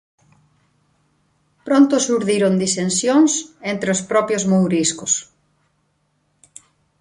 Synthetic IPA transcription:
pɾont̪ʊsuɾðiɾʊnd̪isensjoŋsent̪ɾeospɾɔpjozmowɾiskʊs

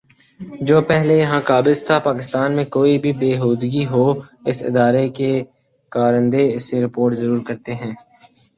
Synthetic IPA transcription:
d͡ʒoːpɛɦlejɐɦãkaːbɪzt̪ʰapaːkɪst̪aːnmẽkoːibʱibeːɦoːd̪ɡiɦoːɪsɪ̰d̪aːɾeke | kaːɾə̃nd̪eɪsːeɾɪpoːɾʈzɐɾuːɾkɐɾt̪eɦɛ̃ː

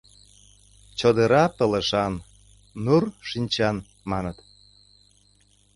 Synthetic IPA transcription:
t͡ɕod̪əɾɑpə̆lə̆ʃɑnː | urʃinʲt͡ɕɑn | mɑnət̪

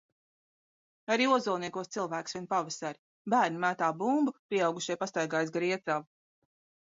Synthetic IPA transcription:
aɾiːuɔzulˠniɛkuɔst̪silˠvæːksviɛnpavɨsaɾ | bæːɾnimæːt̪aːbumbupɾiɛawɡuʃiɛpast̪ajɡaːjsɡɾiɛt̪sav

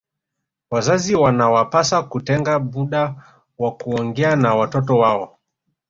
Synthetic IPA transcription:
wazaziwanawapasakutɛŋɡaɓuɗa | wakuɔŋɡɛanawatɔtɔwaɔ

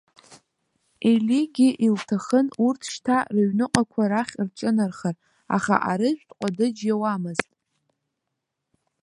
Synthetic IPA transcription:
eliɡʲiʔiltʰaχənurtʰʂtʰarɨɥnɨqʼakʷʰaɾaχʲrʈ͡ʂʼɨnarχər | a̰χa̰ʔaɾɨʒᶣʷtʼqʷʼadɨd͡ʒjawamɨztʼ

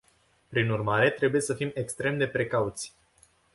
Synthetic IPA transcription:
pɾinurmaɾe̞t̪ɾe̞buje̞səfime̞kst̪ɾe̞md̪e̞pɾe̞kaut̪sʲ

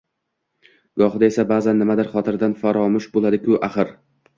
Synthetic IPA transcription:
ɡ̥ɒχɨd̪ae̞sabaːzanːɪmad̪ɪɾχɒt̪ʰɪɾd̪anfaɾɒmʊʃbolˠad̪ɪkʲʰʊʔaχɨɾ

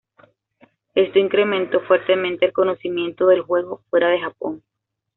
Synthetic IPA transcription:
e̞st̪o̞iŋkɾe̞mẽ̞nt̪o̞fwe̞ɾt̪e̞mẽnt̪eːlko̞no̞simjẽ̞nt̪o̞ðe̞lxwe̞ɣo̞fwe̞ɾaðe̞xapo̞ŋ

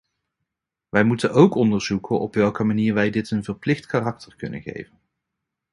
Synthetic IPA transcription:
ʋɛjmutənowkɔndəɹz̥ukəʔɔ̰pʋɛlˠkəmaniːɹʋɛjdɪtənvəɹplɪχtkarɑk̚təɹkɵ̰nə̰nχḛjvən

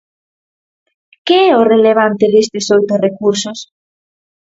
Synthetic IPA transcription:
keɛʊreleβ̞ant̪ɪðest̪ɪsojt̪ʊrekuɾsʊs

